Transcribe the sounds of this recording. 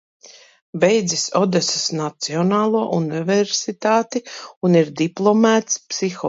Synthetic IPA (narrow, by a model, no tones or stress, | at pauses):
bɛjd̪zisɔd̪esɪ̥snat̪siɔnaːlˠuɔʔunivɛɾsit̪aːt̪iuniɾd̪iplˠɔmæːt̪spsixɔ